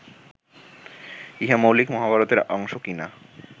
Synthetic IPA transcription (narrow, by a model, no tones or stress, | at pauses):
iɦamowlikmɔɦabʱaɾot̪eɾɔŋʃokina